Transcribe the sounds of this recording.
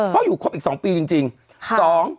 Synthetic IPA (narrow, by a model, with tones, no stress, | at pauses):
kɔː˥˩juː˨˩kʰu˥˩p̚ʔiː˨˩sɔː˩˦ŋpiː˧t͡ɕi˧ŋt͡ɕi˧ŋʰ | sɔː˩˦ŋ